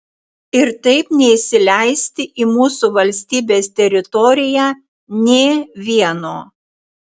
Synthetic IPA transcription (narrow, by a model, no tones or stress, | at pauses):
ɪɾt̪ɐɪpnʲɛɪsʲɪlʲæɪsʲt̪ʲɪʔimuːsuʋɐlʲsʲt̪ʲiːbʲeːst̪ʲɛɾʲɪt̪ɔɾʲɪjæː | nʲeːʋʲiɛnoː